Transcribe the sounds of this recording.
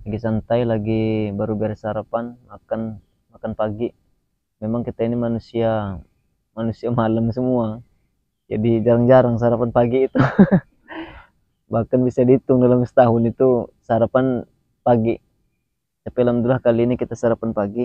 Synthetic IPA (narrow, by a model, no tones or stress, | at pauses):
laɡisant̪ailaɡibaɾubɛɾasɦaɾapanmakan | makanpaɡi | memaŋkit̪ainimanusia | manusiamalamsəmua | d͡ʒadid͡ʒaɾaŋd͡ʒaɾaŋsəɦaɾapanpaɡiːt̪u | bahkanbisadit̪ʊŋdalamsə̥t̪aɦʊnit̪usəaɾapan | paɡi | t̪apilamd̪ulahkaliːnikit̪asaɾapanpaɡi